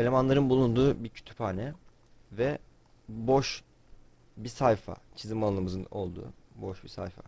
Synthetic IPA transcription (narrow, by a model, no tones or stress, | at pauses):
elʲe̞manlˠaɾɯnbulˠund̪uːbicʰy̥t̪ʰy̥phaːnɛ | vɛ | bo̞ʃ | bisajfa̰t͡ʃʰizɯmalˠanɯmɯzɯno̞̰lˠd̪ṵːboʃbisa̰jfa̰